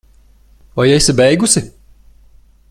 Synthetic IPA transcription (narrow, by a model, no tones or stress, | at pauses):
vajɛjsʲibɛjɡusi